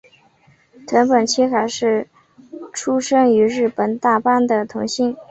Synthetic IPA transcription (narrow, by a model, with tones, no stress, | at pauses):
t̪ʰwə˧˥npə˨˩nt͡ɕʰi˥xa˨˩ɪʂɻ̩˥˩ | ʈ͡ʂʰu˥ʂɤ˥ŋy˧˥ɻɻ̩˥˩pə˨˩nt̪a˥˩pa˥nd̪ə˨t̪ʰʊ˧˥ŋɕi˥˩ŋ